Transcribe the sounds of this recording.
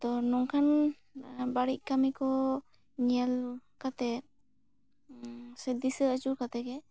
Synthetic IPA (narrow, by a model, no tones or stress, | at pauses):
t̪ɔnɔŋkʰan | baɽiʔ̚kamikɔ | ɲialkat̪ɛ | sɛd̪isəət͡ʃuɾkat̪ɛɡɛ